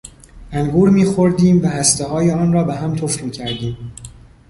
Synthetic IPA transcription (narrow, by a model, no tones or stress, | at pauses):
ʔæŋɡuːɾmiːxoɾd̪iːmvæhæst̪eɦɒːjeɒːnɾɒːbeɦæmt̪ʰofɾmiːcʰæɾd̪iːm